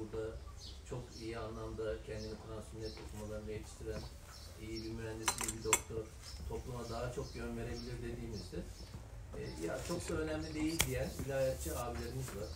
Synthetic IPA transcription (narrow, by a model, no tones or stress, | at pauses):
uɾd̪at͡ʃʰo̞kijianlˠamd̪acʰɛnd̪inifɾansuminʲɛt̪ʰoklˠumad̪ˠanvejet̪ʰi̥ʃt̪ʰiɾæn | ijibimyɾænd̪isind̪ʲɛbid̪o̞kt̪ʰoɾ̥ | t̪ʰo̞plˠumad̪aɦat͡ʃʰo̞k̚jø̞nve̞ɾe̞bilʲiɾd̪e̞d̪iːmizd̪ɪ | ɛ̰ja̰t͡ʃʰo̞k̚d̪aønæmlʲid̪e̞jilʲd̪ijænilʲaːjat̪̚t͡ʃʰiaːbilʲe̞ɾinizvaɾ